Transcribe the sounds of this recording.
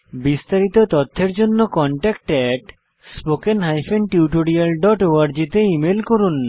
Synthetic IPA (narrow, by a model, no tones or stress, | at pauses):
bist̪aɾit̪ot̪ɔt̪ʰːeɾd͡ʑonːokɔɳʈɛk̚ʈɛʈ | spokenɦajfenʈiuʈoɾialɖɔʈoaɾd͡ʑit̪eimelkoɾun